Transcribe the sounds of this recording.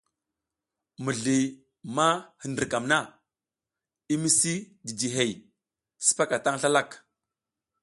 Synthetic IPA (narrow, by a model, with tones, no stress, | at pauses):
mu˨ɮi˨ | ma˦hə˨ndə˨ka˨mna˦ | i˦mi˦si˦ | di˨di˨ɦe˨j | ti̥˦si̥˦pa˦ka˨ta˦ŋɬa˦la˦˨k